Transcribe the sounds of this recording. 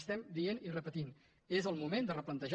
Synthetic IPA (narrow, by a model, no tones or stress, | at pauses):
st̪ɛmd̪ienirəpət̪in | ezəlˠmumend̪ərəplənt̪əʒ